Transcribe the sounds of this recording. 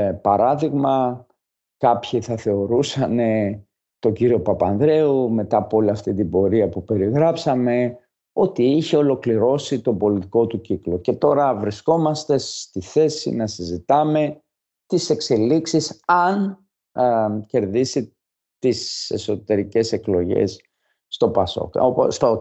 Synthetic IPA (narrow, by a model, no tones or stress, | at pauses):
pɐɾɐðiɣmɐ | kɐpçiθɐθe̞o̞ɾusɐne̞ | t̪o̞ɲɟiɾio̞pɐpɐnðɾe̞ume̞t̪ɐpo̞liɐft̪int̪ibo̞ɾiɐpupe̞ɾiɣɾɐpsɐme̞ | o̞t̪iiçe̞o̞lo̞kliɾo̞sit̪o̞bo̞lit̪i̥ko̞t̪uciklo̞ce̞t̪o̞ɾɐvɾisko̞mɐst̪e̞st̪iθe̞sḭnɐsizit̪ɐme̞ | t̪ise̞kse̞liksisɐn | ce̞ɾðisi | t̪ise̞so̞t̪e̞ɾice̞se̞klo̞ʝe̞̰sː | t̪o̞pɐso̞̰kopst̪o